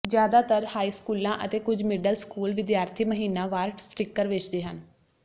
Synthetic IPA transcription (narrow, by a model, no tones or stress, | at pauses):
d͡ʒjaːd̪aːt̪əɾhaːiːskuːlãːʔət̪eːkʊd͡ʒmɪɖəlskuːlʋɪd̪jaːɾt̪ʰiːməɦiːnãːʋaːɾʈsʈɾɪkːəɾʋɪt͡ʃʰd̪eːɦən